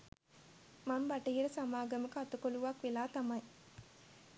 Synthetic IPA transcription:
mambaʈiːiləsamaːɡəməkəat̪ukoluʋakʋelaːt̪amɐj

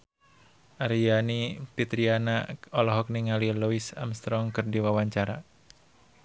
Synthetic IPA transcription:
ʔaɾijanipit̪ɾianaɔlɔɦɔk̚niŋaliluisa̰mst̪ɾɔŋkɨrdiwawaɲt͡ʃaɾa

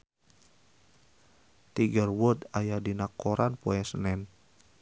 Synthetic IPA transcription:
t̪iɡərwʊd̪ajadinakːoɾʔanpoɛsənɛn

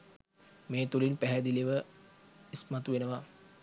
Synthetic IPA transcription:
meːt̪ulinpæɦɛd̪iliʋə | ismat̪uʋenəʋa

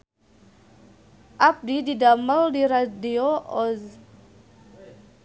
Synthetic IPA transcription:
ʔap̚dididaməldiɾadioʔɔz

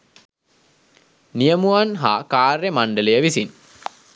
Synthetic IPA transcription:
nijəmuanɦa̰ːkaːɾremaɳɖələjəʋisin

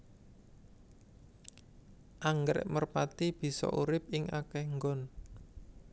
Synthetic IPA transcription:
ʔaŋɡɾɛ̰ʔmərpat̪ib̥i̤sɔ̰ʔuɾɪp̚ɪŋʔakɛhŋɡɔn

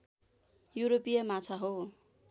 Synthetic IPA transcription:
juɾopijʌmat͡sʰaɦo

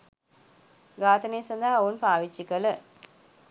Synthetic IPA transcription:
ɡaːt̪ənejsɐnd̪aɦounpaːʋit͡ʃːikələ

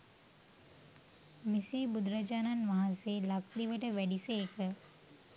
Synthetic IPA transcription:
misiːbud̪ɾəd͡ʒaːnanʋaɦaseːlakliʋəʈəʋæɖiseːkə

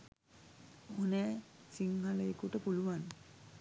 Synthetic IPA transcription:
onɛːsiŋɦaləekuʈəpuluʋan

